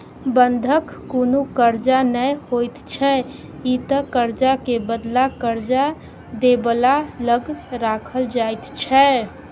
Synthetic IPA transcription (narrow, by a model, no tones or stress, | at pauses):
bənd̪ʱəkːonukəɾd͡ʒanəjhojt̪t͡ʃʰɛ | it̪əkəɾd͡ʒakebəd̪lakəɾd͡ʒa | d̪ebəlaləɡɾakʰəld͡ʒajt̪t͡ʃʰɛ